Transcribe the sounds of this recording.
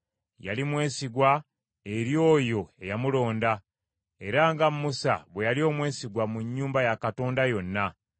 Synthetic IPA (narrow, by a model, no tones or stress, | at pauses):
ja̰limwe̞ːsiɡwa | eɾjo̞ːjo̞e̞jamulo̞ːnda | e̞ɾaŋɡamːusa̰βwe̞jalio̞ːmwe̞ːsiɡwamuɲːuːmbajakato̞ːndajo̞nːa